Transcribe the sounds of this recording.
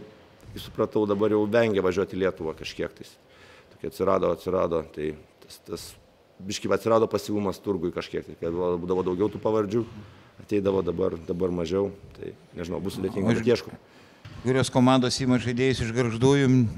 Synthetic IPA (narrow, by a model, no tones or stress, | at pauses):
kʲɪsʊ̥pɾɐt̪ɐʊd̪ɐbɐɾjɛʊʋʲɛŋʲɡʲɛʋɐʒʲuɔt̪ʲɪlʲiɛt̪ʊʋɐkɐʃʲkʲiɛkt̪ɐɪs | t̪oːkʲɪɐt̪ʲsʲɪɾɑːd̪oːɐtʲsʲɪɾɑːd̪oːt̪ɐɪt̪ɐst̪ɐs | bʲɪʃʲkʲɪpɐt̪ʲsʲɪɾɑːd̪oːpɐsʲiʋuːmɐst̪ʊrɡʊɪkɐʃʲkʲiɛk̚t̪ɐɪkɐbbuːd̪ɐʋoːd̪ɐʊɡʲɛʊt̪uːpɑʋɐɾʲd͡ʒʲuːɐt̪ʲɛɪd̪ɐʋoːd̪ɐbɐrd̪ɐbɐrmɐʒʲɛʊt̪ɐ̰ɪ | nʲɛʒʲɪnɐʊbʊsʊd̪ʲetʲiŋɡɐɛiɛʃko | kʊɾʲoːskoːmɑnd̪oːsiːmɐʒɐɪd̪ʲeːjʊsɪʒɡɐɾʒd̪uːjʊm